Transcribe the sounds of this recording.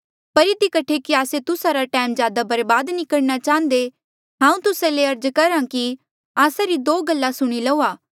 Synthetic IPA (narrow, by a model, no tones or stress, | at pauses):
pɐɾɪd̪ikɐʈʰekiaːset̪ʊsaɾaʈɛːmzjaːd̪abɐɾbaːd̪nɪkəɽñat͡ʃãːn̆d̪e | ɦãːũt̪ʊsaleɐɾd͡ʒkɐɾãki | aːsaɾid̪oːɡɐlːasʊɽ̃ilɐuːaː